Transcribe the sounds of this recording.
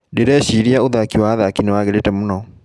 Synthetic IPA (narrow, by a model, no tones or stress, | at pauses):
deɾɛːɕiːɾiaoðakiwaːðakinewaɣeɾetɛmonɔ